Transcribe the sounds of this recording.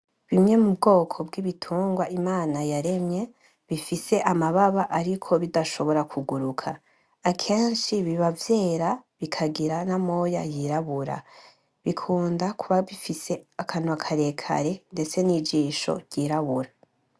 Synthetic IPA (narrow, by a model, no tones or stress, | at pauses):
βimɲe̞mubɡo̞ːkʰo̞bɡiβitʰuːŋɡwaʔimaːnajaɾe̞mɲe̞ | βifise̞ʔamaβaβaʔaɾikʰo̞βidaʃo̞βo̞ɾakʰuɡuɾukʰaː | kʰe̞ːnʃiβiβavje̞ːɾaβikʰaɡiɾanamo̞ja̰jiɾaβuɾa̰ | βikʰuːndakʰuβaβifise̞akʰanwakʰaɾe̞kʰa̰ɾe̞nde̞t͡se̞nid͡ʒiːʃo̰ɾɟiɾaβuɾa